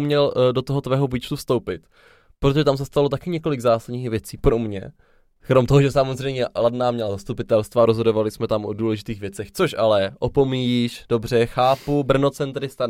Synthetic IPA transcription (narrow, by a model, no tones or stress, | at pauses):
mɲɛldo̞t̪oɦot̪vɛːɦovit͡ʃt̪ufst̪o̞wpɪt̪ | pɾot̪oʒɛt̪ams̬ɛst̪alo̞t̪akɪɲɛko̞lɪɡzaːsadɲiːxvjɛt͡siːkɾo̞mɲɛ̰ | kɾomt̪oɦoʒɛsamozr̝ɛjmɲɛladnaːmɲɛlazast̪upɪt̪ɛlst̪vaɾozɦo̞dovalɪsmɛt̪amʔoduːlɛʒɪt̪iːɣvjɛt͡sɛxt͡so̞ʃalɛʔopo̞mijiʃd̥o̞br̝ɛxaːpubr̩no̞t͡sɛnt̪ɾɪst̪a